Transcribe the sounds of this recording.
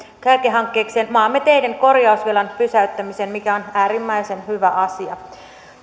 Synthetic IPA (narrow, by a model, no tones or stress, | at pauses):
kæykeɦɑŋkːe̞ːkseːnmɑːmːet̪ejde̞ŋko̞rjɑusʋilɑnpysæyt̪ːæmisenmikæo̞næːɾimːæjse̞nhyʋæʔɑsiɑ